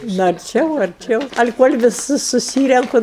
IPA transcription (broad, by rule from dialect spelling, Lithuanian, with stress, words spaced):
nʊ ɐrʲˈt͡ʃʲɛʊ ɐrʲˈt͡ʃʲɛʊ ɐlʲɪ koːlʲ ʋʲɪˈsʊs sʊˈsʲiːrʲɛŋkʊ